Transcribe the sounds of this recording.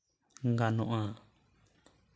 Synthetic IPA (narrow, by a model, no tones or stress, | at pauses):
ŋɡanɔ̃ʔã